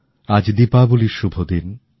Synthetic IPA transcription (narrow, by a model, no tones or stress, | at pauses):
ad͡ʑd̪ipabuliʃubʱod̪in